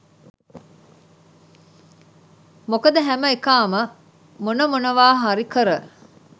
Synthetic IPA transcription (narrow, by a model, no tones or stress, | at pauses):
mokɐd̪əɦæməekaːmə | munɐmunɐʋaːɦaɾikəɾə